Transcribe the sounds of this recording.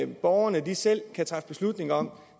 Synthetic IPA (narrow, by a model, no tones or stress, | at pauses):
b̥ɒʊɐnəd̥isel̰kʰæt͡sʰʁɑ̈fə̥b̥e̝slud̥ne̝ŋɐɒ̽m